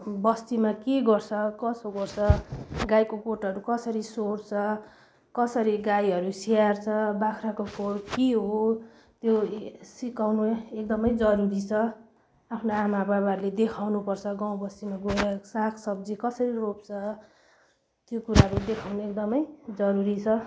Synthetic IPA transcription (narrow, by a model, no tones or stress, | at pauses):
bʌst̪imakeɡʌrt͡sʰʌkʌsoɡʌrt͡sʰʌɡajkokoʈʌɾukʌsʌɾisoɾt͡sʰʌ | kʌsʌɾiɡajʌɾusiart͡sʰʌbakʰrakokoɽkiɦo | t̪josikawnuekd̪ʌmʌjd͡zʌɾuɾit͡sʰʌ | apʰnoamabaβarled̪ekʰawnupʌrt͡sʰʌɡãw̃bʌsimaɡoɾaksakʰsʌb̚d͡zikʌsʌɾirop̚t͡sʰʌ | t̪jokuɾaɦʌɾud̪ekʰawnuek̚d̪ʌmʌjd͡zʌɾuɾit͡sʰʌ